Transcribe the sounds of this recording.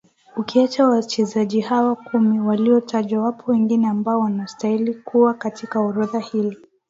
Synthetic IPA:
ukiat͡ʃawat͡ʃɛzaʄihawakumiwaliɔtʰaʄwawapʰɔwɛŋɡinɛambaɔwanastailikuwakatikaɔɾuðahili

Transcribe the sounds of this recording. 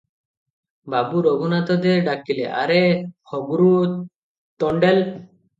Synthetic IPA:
babuɾɔɡunat̪ɔd̪eɾɖakilḛʔa̰ɾehɔbuɾu | t̪ɔɳɖel

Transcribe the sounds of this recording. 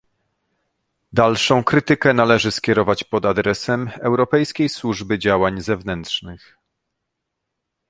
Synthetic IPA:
d̪alʂɔ̃w̃kɾɘt̪ɘkɛn̪alɛʐɘskʲɛɾɔvat͡ɕpɔd̪ad̪ɾɛsɛmɛwɾɔpɛjskʲejswuʐbɘd͡ʑawaɲzɛvnɛnt̪ʂnɘx

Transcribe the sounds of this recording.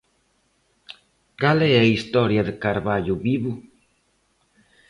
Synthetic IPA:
ɡaleeist̪oɾjaðekaɾβaʎuβiβu

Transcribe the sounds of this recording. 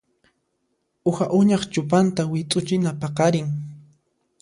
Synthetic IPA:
ʊhaʔʊɲɑχt͡ʃʊpant̪awɪt̪ʼʊt͡ʃɪnapɑqɑɾɪŋ

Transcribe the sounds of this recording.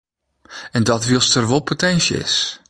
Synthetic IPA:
ɛndɔtʋilˠstərʋolˠpʰotʰɛnsjə̰ɪ̰s

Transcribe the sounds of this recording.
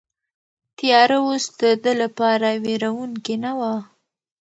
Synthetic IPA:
t̪jɑɾawosd̪əd̪əlapɑɾaweɾawuŋkenawa

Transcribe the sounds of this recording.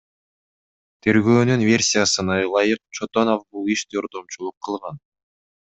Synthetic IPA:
t̪ʰe̞ɾɡøːnynvʲe̞rʲsʲijasɯnɑlˠɑjɯq̚t͡ʃʰot̪o̞nofbulˠiʃd̪o̞ɾd̪o̞mt͡ʃulˠuqʰːɯlˠʁɑn

